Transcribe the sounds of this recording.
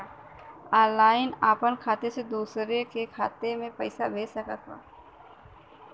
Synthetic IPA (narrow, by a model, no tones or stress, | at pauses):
aːlaːɪnaːpənkʰaːt̪esed̪uːsɾekekʰaːt̪emẽpəɪsabʱeːsəkət̪a̰ː